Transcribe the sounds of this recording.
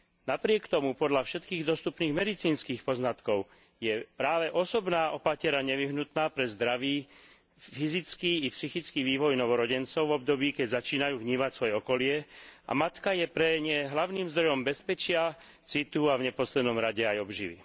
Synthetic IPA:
napɾɪɛkt̪ɔmupɔd̪ʎafʃɛt̪kiːɣd̪ɔst̪upniːɣmɛd̪it͡siːnskiːxpɔznat̪kɔʊ | jɛpɾaːʋɛʔɔsɔbnaːʔɔpacɪɛɾaɲɛʋiɦnut̪naːpɾɛzd̪ɾaʋiː | fizit͡skiːpsixit͡skiːʋiːʋɔjnɔʋɔɾɔɟɛnt͡sɔʊvɔb̚d̪ɔbiːkɛɟzat͡ʃiːnajuːvɲiːmacsʋɔjɛɔkɔlɪɛʔa̰mat̪kajɛpɾɛɲɛɦlaʊniːmzd̪ɾɔjɔmbɛspɛt͡ʃɪa | t͡sit̪uavɲɛpɔslɛd̪nɔmɾaɟɛajɔbʒḭʋḭ

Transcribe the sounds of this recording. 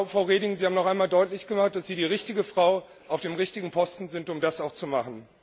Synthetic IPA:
fʁ̥aʊʁeːdɪŋzihaːmnɔχʔaɪnmaːldɔʏtlɪçɡ̥əmaχt̚d̥asz̥iːɾiːʁɪçtɪɡəfʁ̥aʊ | ʔaʊfd̥eːmʁɪçtɪɡŋ̩pʰɔstn̩zɪntʊmdasaʊxt͡sumaχn̩

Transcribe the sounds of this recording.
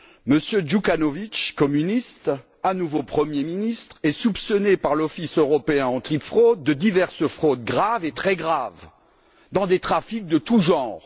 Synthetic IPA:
məsjøʒukanovit͡ʃkɔmynist̪ | anuvopχəmjeminist̪χɛsupsɔnepaʁlɔfisøʁɔpeɛ̃ɑ̃t̪χipfχod̪̚ːəd̪ivɛʁsəfχod̪ɡʁavet̪χɛɡʁav | d̪ɑ̃d̪et̪χafik̚d̪ət̪uʒɑ̃ʁ

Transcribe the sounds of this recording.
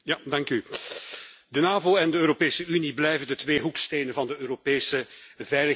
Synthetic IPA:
jadɑŋky | dənaːvoːɛndəøːɾopeːsəyniblɛjvəndətʋeːɦuksteːnənvɑndəøːɾopeːsəvɛjlə

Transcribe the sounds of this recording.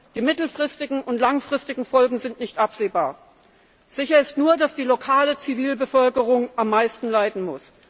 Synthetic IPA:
d̥iːmɪtl̩fʁ̥ɪstɪɡŋ̩ʊntlaŋfʁ̥ɪstɪɡŋ̩fɔlɡŋ̩zɪntnɪçtʔapz̥eːbaːɐ | z̥ɪçɐɪstnuːɐdasd̥iːlokʰaːlət͡siviːlbəfœlkəʁ̞ʊŋʔamːaɪstn̩laɪdn̩mʊs

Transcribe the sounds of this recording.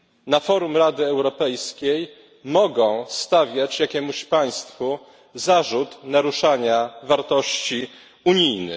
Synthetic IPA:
nafɔɾumɾad̪ɘɛwɾɔpɛjskʲej | mɔɡɔ̃w̃st̪avʲjat͡ɕjakʲɛmuɕpaj̃st̪fu | zaʐut̪naɾuʂaɲavaɾt̪ɔɕt͡ɕi | uɲijnɘ̰

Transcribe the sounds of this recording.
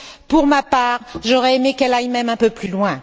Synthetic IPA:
puʁmapaːʁʒɔʁɛemekɛlajmɛmɛ̃pøplylwɛ̃

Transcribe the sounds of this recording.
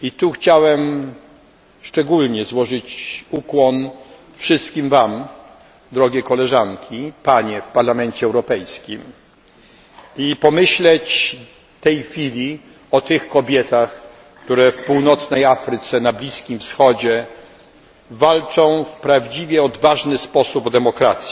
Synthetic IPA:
it̪uxt͡ɕawɛm | ʂt͡ʂɛɡulɲɛzwɔʐɘt͡ɕukwɔn | fʂɘst̪̚kʲimvam | d̪ɾɔɡʲjɛkɔlɛʐaŋkʲʰipaɲɛfpaɾlamɛnt͡ɕɛɛwɾɔpɛjskʲim | ipɔmɘɕlɛt͡ɕ | t̪ɛjxfʲilʲi | ɔt̪ɘxkɔbʲjɛt̪ax | kkt̪uɾɛfpuwnɔt̪snɛjafɾɘt̪sɛnablʲiskʲimfsxɔd͡ʑɛ | valt͡ʂɔ̃w̃fpɾavd͡ʑivʲjɛɔd̪vaʐnɘspɔsubd̪ɛmɔkɾat̪sʲji

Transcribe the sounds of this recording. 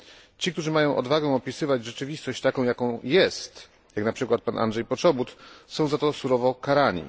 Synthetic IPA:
t͡ɕik̚t̪uʐɘmajɔ̃w̃ʔɔ̰d̪vaɡɛw̃ɔpʲisɘvad͡ʑʐɛt͡ʂɘvʲist̪ɔɕt͡ɕt̪akɔ̃w̃jakɔ̃w̃jɛst̪ | jaknapʂɘkwat̪̚panʔa̰ndʐɛjpɔt͡ʂɔbut̪sɔ̃w̃zat̪ɔsuɾɔvɔkaɾaɲḭ

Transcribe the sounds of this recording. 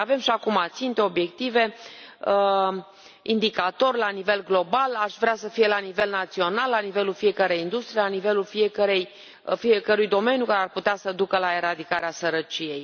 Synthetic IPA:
ave̞mʃiakumat̪sint̪e̞o̞bje̞kt̪ive̞ | ind̪ikat̪o̞rʲlanive̞lɡlo̞balaʃvɾeasəfije̞lanive̞lnat̪sio̞nalːanive̞lulfije̞kəɾejind̪ust̪ɾijelanive̞lulfiekəɾej | fiekəɾujd̪o̞me̞njukaɾearput̪easəd̪ukəlae̞ɾad̪ikaɾeasəɾət͡ʃije̞j

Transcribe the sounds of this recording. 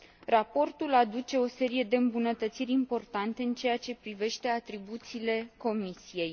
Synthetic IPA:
rapo̞rt̪ulad̪ut͡ʃe̞o̞se̞ɾije̞d̪e̞ɨmbunət̪ət̪siɾʲimpo̞rt̪ant̪e̞ɨnt͡ʃe̞jat͡ʃe̞pɾive̞ʃt̪e̞at̪ɾibut̪siːle̞ko̞misije̞j

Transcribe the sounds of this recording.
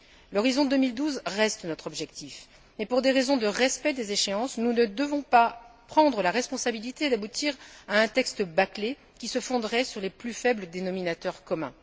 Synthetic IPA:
lɔʁizɔ̃d̪ømild̪uzʁɛst̪nɔt̪χɔbʒɛkt̪if | mɛpuʁd̪eʁezɔ̃d̪əʁɛspɛd̪ezeʃeɑ̃snunəd̪əvɔ̃papχɑ̃d̪ʁəlaʁɛspɔ̃sabilit̪ed̪abut̪ʰiʁaɛ̃t̪ɛkst̪əbakle | kʲisəfɔ̃d̪ʁɛsyʁleplyfɛbləd̪enɔminat̪œʁkɔmɛ̰̃

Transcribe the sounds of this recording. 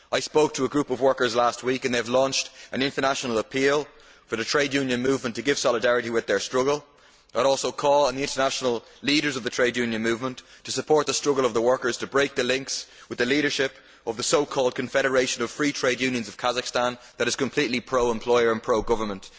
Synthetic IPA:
aɪspoʊk̚tʰəəɡɹupʌvwɜ˞kə˞zlast̚wikə̃nðeɪvlɔ̃nt͡ʃtʔə̃nɪ̃ntə˞naʃnəl̩ˠəpʰilˠ | fə˞ðətʰɹ̥eɪdjʉ̃njə̃nmʉːvmə̃ntʰəɡɪv̥sɑlɪdaɹɨɾiwɪðə˞stɹ̥ʊɡəlˠ | aɪɾɔˑlˠsoʊkʰɔːlˠə̃nðiɪ̃ntə˞naʃnəl̩ˠ | liːɾə˞zʌvðətʰɹ̥eɪdjʉ̃njə̃nmʉːvmə̃ntʰəsəpʰɔɹt̪̚ðəstɹ̥ʊɡəlˠʌvðəwɜ˞kə˞z̥tʰəbɹeɪk̚ðəlɪ̃ŋkswɨðəliːɾə˞ʃɪp | ʌvðəsoʊkʰɔːlˠd̚kʰə̃ɱfɛɾə˞eɪʃə̃nʌv̥fɹiːtʰɹ̥eɪdjʉ̃njə̃nzʌv̥kʰazəkstãn | ðəɾɨz̥kʰə̃mpʰl̥itˡlipʰɹ̥oʊə̃mpʰl̥ɔɪə˞ə̃npʰɹ̥oʊɡʊvə˞mə̃nt

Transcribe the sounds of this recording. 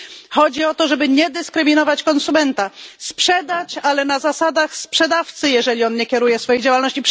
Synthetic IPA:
xɔd͡ʑiɔt̪ɔʐɛbɘɲɛd̪ɘskɾɘmʲinɔvat͡ɕkɔnsumɛnt̪aspʂɛd̪at͡ɕalɛnazasad̪axspʂɛd̪aft̪sɘjɛʐɛlʲiɔnɲɛkʲɛɾujɛsfɔjed͡ʑawalnɔɕt͡ɕip

